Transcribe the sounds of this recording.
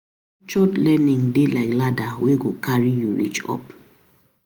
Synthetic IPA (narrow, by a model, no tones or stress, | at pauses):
t͡ʃɔtlɛnĩŋdelaɪkladaweɡokʰaɹijuɹḭt͡ʃɔ̰p